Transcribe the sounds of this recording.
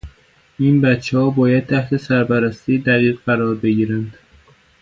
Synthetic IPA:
iːnbæt̪t͡ʃʰːehɒːbɒːjæd̪̥̚t̪ʰæht̪ʰe̞sæɾpæɾæst̪id̪æʁiːɣɢæɾɒːɾbe̞ɟiːɾænd̪̥

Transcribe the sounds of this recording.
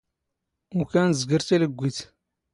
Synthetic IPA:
ʊkænzɡəɾt̪æləɡʷːiθ

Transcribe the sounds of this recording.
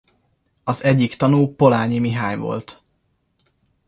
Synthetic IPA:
ɒzɛɟːikt̪ɒnuːpo̞laːɲimiɦaːɲvo̞̰lt̪

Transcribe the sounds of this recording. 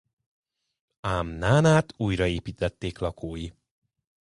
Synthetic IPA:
amnaːnaːt̪uːjrɒeːpiːt̪ɛt̪ːeːklɒkʰoːji

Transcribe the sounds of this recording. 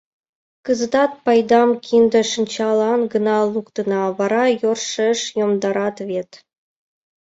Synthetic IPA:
kə̆zə̆d̪ɑt̪̚pɑjd̪ɑmkʲʰind̪ə̆ʃə̆nʲt͡ɕɑlˠɑnɡə̆nɑlˠukt̪ə̆nɑβɑɾɑjorʃeʃjomd̪ɑɾɑt̪βʲet̪

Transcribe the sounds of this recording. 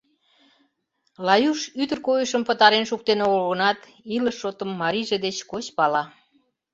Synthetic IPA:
lɑjuʃyd̪ə̆rkojəʃəmpət̪ɑɾenʃuk̚t̪enoolɣə̆nɑt̪ | iləʃːot̪əmːɑɾiʒed̪et͡ɕkot͡ɕpɑlɑ

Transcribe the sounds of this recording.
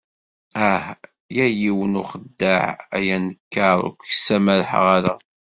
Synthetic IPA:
æh | jæjiwənuχəd̪ːaʕæ̰jænəkːɑɾˤʊ̰kʷəsæmæɾħʁæɾæ

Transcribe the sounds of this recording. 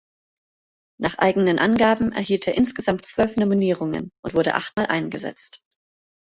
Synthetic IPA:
nʔaːχʔa̰ɪɡŋ̩nənʔanɡaːbm̩ʔɛ̰ɐhiːltʰeːɐʔɪnsɡ̥əzamtt͡sv̥œlfnominiːʁ̞ʊŋə̰nʔʊntvʊɐɾə̰ʔa̰χtmaːlʔaɪnɡəzɛ̰t͡st

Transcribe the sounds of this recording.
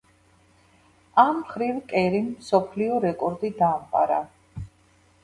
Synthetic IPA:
amːχɾivkʼɛɾimːsɔpʰliɔɾɛkʼɔɾd̪id̪aːmqʼa̰ɾa̰

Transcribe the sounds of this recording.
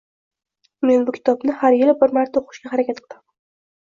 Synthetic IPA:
me̞nbʊkʲʰɪ̥t̪ʰɒbnɪhaɾjɪlbɪɾmaɾt̪ʰːaoqʰɨ̥ʃkʲaɦaɾakʲat̪qʰɨlam

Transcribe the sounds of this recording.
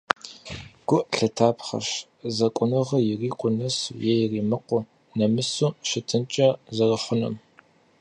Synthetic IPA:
ɡ̥ʷʊʔɬɐtʰaːpχɐ̰ɕ | zɐkʷʼʊnɨʁɐjɪriːqʷʊnɐsṵjɛjɪriːmɨqʷʊ | nɐmɨsuːʃɪtʰɨnt͡ʃʼɐzɐrɐχʷʊnɐ̰m

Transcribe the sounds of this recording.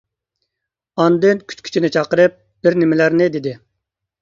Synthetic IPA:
ɑnd̪ɨnkʲʰy̥t͡ʃkʲy̥t͡ʃʰinɪt͡ʃʰɑqəɾɨp̚ | b̥ɪɾnɪmɪlæɾnɪd̪ɪd̪ɪ

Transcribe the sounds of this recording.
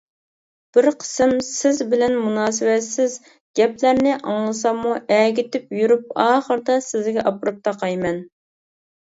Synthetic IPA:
b̥ɪɾqʰə̥sɨmsɪzbɪlɛnmunɑːsɨwɛt̪sɪz | ɡ̥ʲɛplæɾnɪʔɑŋlˠɨs̬ɑmuʔɛɡʲɪt̪ɪpjyɾyp̚ɑːχəɾd̪ɑsɪzɡʲɛʔɑpɾup̚t̪ʰɑqʰɑjmɛn

